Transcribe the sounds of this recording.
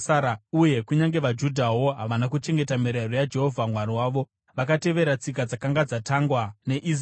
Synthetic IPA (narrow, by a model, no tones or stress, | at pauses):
aɾauje̞kuɲaŋɡe̞ʋad͡ʒudʱawo̞ɦaʋanakut͡ʃe̞ŋɡe̞tamiɾerojad͡ʒe̞ɦo̞vʱamwaɾiwaːʋo̞ | ʋakate̞ʋe̞ɾat͡sik̬ad͡zakaŋɡad͡zataŋɡwane̞ʔis